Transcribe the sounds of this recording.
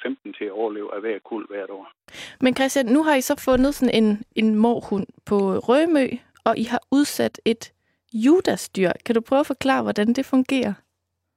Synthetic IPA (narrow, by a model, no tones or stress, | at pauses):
femd̥n̩t͡sʰe̝æɒʊɐle̝ːʊæʋæɐ̰kʰul̰ʋæɐ̰ɾ̥ɒ̰ːmenkʰʁɛsd̥jænːuɦɑ̈isɒ̽fɔ̽nəð̞̩ˠsɒ̽ne̝ne̝nmɒːhun̰pʰɒ̽ʁœmø̰ː | ɒ̽ʔiɦɑ̈uð̞ˠsæd̥e̝d̥ | juːd̥æsd̥yɐ̰kʰæd̥upʰʁ̥œːʊfɒ̽kʰlɑ̰̈ːʋɒd̥ænd̥e̝fɔ̽ŋɡ̥e̝̰ːɐ